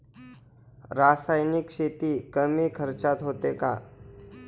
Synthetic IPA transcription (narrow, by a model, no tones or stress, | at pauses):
ɾasajnikɕet̪ikəmikʰəɾt͡ʃat̪ɦoːt̪eka̰ː